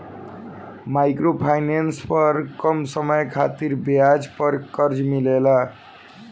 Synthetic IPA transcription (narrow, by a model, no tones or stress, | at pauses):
majkropʰajnenspʌrkʌmsʌmʌjkʰat̪iɾbjad͡zpʌɾkʌɾd͡zmilela